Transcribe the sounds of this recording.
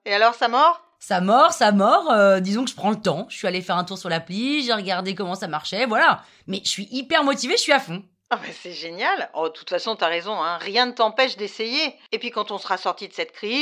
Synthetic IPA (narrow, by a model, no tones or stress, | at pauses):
ealɔʁsamɔʁ | samɔʁsamɔʁød̪izɔ̃kəʒəpχɑ̃lət̪ɑ̃ʒʃəsɥialefɛʁɛ̃t̪uʁsyʁlapliʒeʁəɡaʁd̪ekɔmɑ̃samaʁʃɛvwala | mɛʒəsɥiʔipɛʁmɔt̪iveʒəsɥiafɔ̃ | abɛsɛʒenjalɔd̪ət̪u̥t̪fasɔ̃t̪yaʁezɔ̃ɛ̃ʁjɛ̃nət̪ɑ̃pɛʃd̪esejeepɥikɑ̃t̪ɔ̃səʁasɔʁt̪id̪əsɛt̪̚kχi